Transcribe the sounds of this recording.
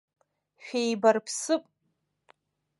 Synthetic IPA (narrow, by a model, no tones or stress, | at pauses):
ʃᶣejbarpʰsɨpʼ